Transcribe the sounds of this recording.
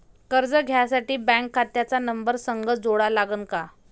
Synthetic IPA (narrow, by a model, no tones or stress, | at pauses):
kəɾd͡zəɡʱjasaʈiːbɛ̃ŋkʰːat̪jat͡sanəmbəɾsəŋɡəd͡zoɽalaɡənka